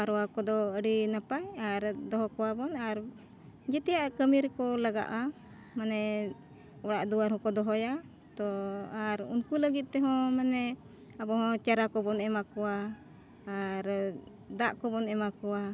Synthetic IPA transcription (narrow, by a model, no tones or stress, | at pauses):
aɾɔwakɔd̪ɔəɽinapajaɾd̪ɔɦɔkɔwabɔnaɾ | d͡ʒɛt̪ɛjaʔkəmiɾkɔlaɡa̰ʔa | manɛ | ɔɽaʔd̪uwaɾhɔ̃kɔd̪ɔɦɔja | t̪ɔaɾṵnkuləɡit̪̚t̪ɛɦɔ̃manɛ | abɔhɔ̃t͡ʃaɾakɔbɔnɛmakɔwaː | ɾ | d̪aʔkɔbɔnɛmakɔwa